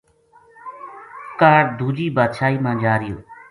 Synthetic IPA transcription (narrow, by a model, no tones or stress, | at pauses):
kaːɾd̪ʱuːd͡ʒiːbaːd̪ʃaːiːmãːd͡ʒaːɾɪjo̰ː